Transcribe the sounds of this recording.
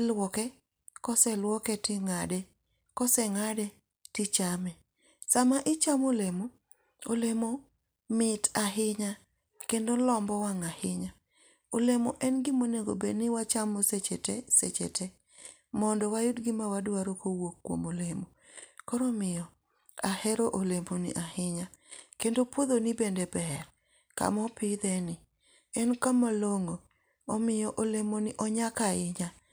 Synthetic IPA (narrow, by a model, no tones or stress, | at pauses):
lwɔkɛ | kɔsɛlwɔkɛtɪŋadɛ | kɔsɛŋadɛ | tɪt͡ʃamɛ | samaʔɪt͡ʃamolemo | olemo | mɪtaɦɪɲa | kendolɔmbɔwaŋahɪɲa | olemoʔɛnɡɪmoneɡo̰benɪwat͡ʃamoset͡ʃetesḛt͡ʃḛtʰe | mɔndɔwajʊdɡɪmawadwaɾokowokːwo̰molemo | kɔɾɔmɪjɔ | ahɛɾoʔolemonɪ̰ʔahɪɲa | kendopoðonɪbendebɛr | ka̰mɔpɪd̪ɛnɪ | ɛnkamaloŋoː | mɪjɔʔolemonɪʔɔɲakaɪɲa